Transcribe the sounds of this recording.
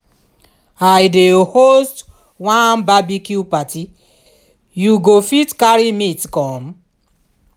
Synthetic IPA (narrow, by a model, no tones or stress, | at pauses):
ajdeohost | wãnbabikupati | juɡofitkaɾimitkɔ̃m̩